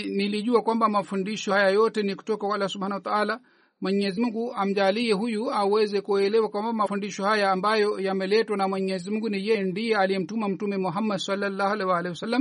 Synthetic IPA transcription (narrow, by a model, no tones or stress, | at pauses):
niliʄuakwambamafundiʃɔhajajɔtɛniku̥tɔkakwaalːahsɔɓhanawat̪aala | mwɛɲɛzimuŋɡuam̩ʄaliɛɦujuawɛzɛkuɛlɛwakwambamafundiʃɔhajaːmbajɔjamɛlɛtwanamwɛɲɛzimuŋɡunijɛndijɛalijɛm̩tumam̩tumɛmɔɦamːadsalːalːahalɛwalɛhwasalːam